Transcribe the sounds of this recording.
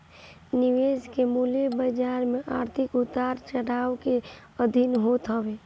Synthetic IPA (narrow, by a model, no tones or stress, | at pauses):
nɪʋeːd͡ʒkemuːlebəd͡ʒaːɾmẽʔa̰ːɾt̪ʰɪkʊt̪aːɾt͡ʃəɽaːʋke | əd̪ʱinɦoːt̪ɦəʋeː